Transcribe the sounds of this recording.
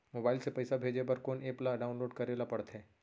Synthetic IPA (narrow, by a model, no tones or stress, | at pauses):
moːbaːɪlsepɛːsabʱeːd͡ʒebɐɾkoːneːplaɖaːʊ̃nloːɖkɐɾeːlapɐɽt̪ɦɛ̃ː